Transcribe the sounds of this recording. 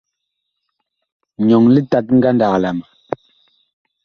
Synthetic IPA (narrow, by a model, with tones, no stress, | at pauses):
ɲɔ˨ŋli˦ta˨t̚ŋ̩˦ɡa˦nda˨kla˨m˨